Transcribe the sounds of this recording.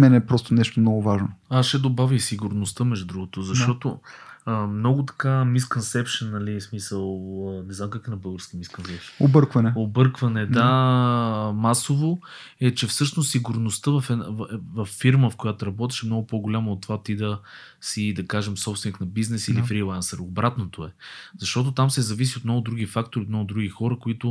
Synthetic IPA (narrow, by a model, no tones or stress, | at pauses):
mɛnɛpɾɔst̪onɛʃt̪omnɔɡʊvaʒnoasʃɛd̪obavʲisiɡʊɾnost̪əmɛʒd̪ud̪ɾuɡot̪ozɐʃt̪ɔt̪oəmnɔɡʊt̪ɐ̥kamiskonsɛpʃənːɐlismisəlˠənɛznamkakɛnɐbɤlˠɡoɾskimiskonsɛpʃə̥nobɤɾkvɐnɛobɤɾkvɐnɛd̪a | masovo | ɛt͡ʃɛfsɤʃnost̪ːiɡʊɾnʊst̪əvɐfɛvɐfːiɾməfkojat̪oɾɐbɔt̪ɛ̥ʃɛmnɔɡʊpoɡʊlʲamɐot̪ːovat̪id̪ɐ | sid̪ɐkaʒɛmsɔpst̪vɛniknɐbiznɛsilifɾilˠansəɾobɾat̪not̪oɛz̥ɐʃt̪ɔt̪̬ot̪amsɛzɐvis̬iot̪mnɔɡʊd̪ɾuɡifak̚t̪oɾiot̪nɔɡʊd̪ɾuɡixɔɾəkoit̪ʊ